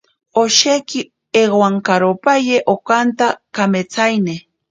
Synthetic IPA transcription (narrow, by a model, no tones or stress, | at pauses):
oʃekɪ | eɢwaŋkaɾopajeʔokant̪akamet͡sajne